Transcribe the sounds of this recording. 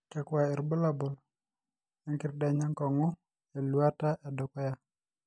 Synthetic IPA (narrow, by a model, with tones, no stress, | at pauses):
kɛ˨kwa˨ɛ˨ɾbo˦la˦bo˨l | a˦ŋkɪ˦rda˨ɲa˦ŋkɔ˨ŋɔ˦ | a˨lu˨a˦ta˦ʔa˨do˨kɔ˦ja˦